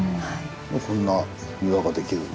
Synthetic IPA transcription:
mokõ̞nːa | mɯ̟ɾaɡad̪e̞kʲiɾɯ̰

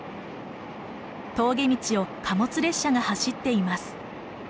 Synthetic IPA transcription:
t̪o̞ːɡe̞mʲit͡ɕio̞kʰamo̞t͡sɨɾe̞ɕːaɡahaɕit̪ːe̞imasɨ̥

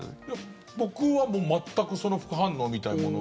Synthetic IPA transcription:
ja | bo̞kɯ̟βamo̞ːmat̪ːakɯ̟so̞no̞ɸɯ̥kɯ̟ɦãnːo̞ːmʲit̪aimo̞̰no

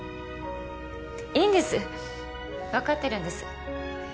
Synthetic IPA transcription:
iːnd̪e̞sɨ | βakat̪ːe̞ɾɯ̟̃nd̪e̞sɨ̥̰

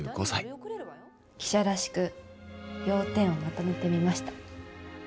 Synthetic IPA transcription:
ɯɡosa̰i | kʲi̥ɕaɾaɕi̥kɯ̟ | jo̞ːt̪ẽ̞ɰ̃o̞mat̪o̞me̞t̪e̞mʲimaɕi̥t̪ḁ

